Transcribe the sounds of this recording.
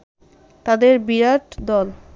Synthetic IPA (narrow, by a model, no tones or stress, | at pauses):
t̪ad̪eɾbiɾaʈd̪ɔl